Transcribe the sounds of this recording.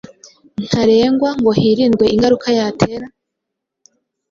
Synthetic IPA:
n̥haɾe̞ːŋɡwaŋɡo̞hiːɾiːnɡwe̞iŋɡaɾukʰajaːtʰe̞ɾa

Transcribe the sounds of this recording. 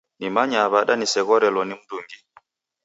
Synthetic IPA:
nimaɲaβaɗanisɛɣɔɾɛlɔnim̩duŋɡi

